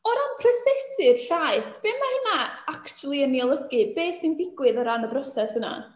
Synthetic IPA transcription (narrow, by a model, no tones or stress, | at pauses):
ɔɾanpʰrəsɛsɪrɬajθb̥eːmahənaakt͡ʃulˠiənːiɔlˠəɡɨbeːsɪndɪɡwɨðɔɾanəbɾɔsɛsəna̰